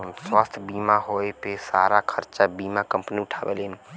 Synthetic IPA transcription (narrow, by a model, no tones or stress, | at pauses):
nswaːst̪ʰbiːmaɦoepesaːɾakʰəɾt͡ʃabiːmakə̃mpniʊʈʰaːbḛln